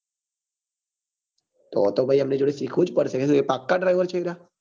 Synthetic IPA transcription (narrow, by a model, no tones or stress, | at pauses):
t̪o̰ːt̪obʱaːiɦəmned͡ʒoːɽesiːkʰod͡ʒpəɽsəkʰesɡepaːkːaɖɾaːɪʋəɾt͡ʃʰəiɾaː